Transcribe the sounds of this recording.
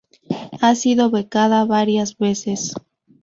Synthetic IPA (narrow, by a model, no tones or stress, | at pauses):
asiðo̞βekaðaβaɾjazβe̞ses